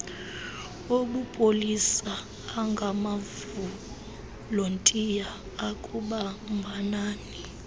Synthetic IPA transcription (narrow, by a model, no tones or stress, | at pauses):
oɓupʼolisaː | ŋɡʱamav | u | lontʼijaː | kʼuɓambʱanaːni